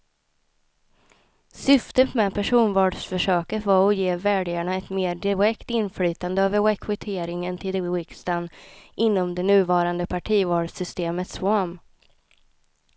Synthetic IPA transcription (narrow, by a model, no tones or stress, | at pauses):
sʏft̪ət̪mɛpʰæʂuːnvɑːɖʂfœʂøːkət̪vaɾɔjeːvæːɖɪaɳaɛt̪meːɖɪɾɛkt̪ɪnflyːt̪and̪əaːvəɛkʰvɪt̪ʰeːɾɪŋənt̪ʰɪlwɪkst̪anʔɪnːɔmd̪ɛnʉ̟ːvɑːɾand̪əpʰaʈʰiːvɑːɖsʏst̪eːmət̪swam